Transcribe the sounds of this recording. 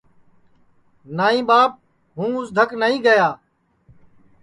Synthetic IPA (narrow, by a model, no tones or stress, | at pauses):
naːĩːɓaːp̚ | ɦũːʊsd̪ʱəknəɦĩːɡəjaː